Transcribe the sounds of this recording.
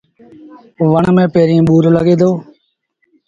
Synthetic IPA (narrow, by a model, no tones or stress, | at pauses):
ʋəɳmẽːpeːɾĩːɓuːɾləɡeːd̪oː